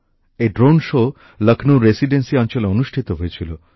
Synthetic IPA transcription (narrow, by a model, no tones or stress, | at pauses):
eɖɾonʃo | ləkʰnoɾesiɖensiɔnt͡ʃɔleonuʃʈʰit̪oɦojet͡ɕʰilo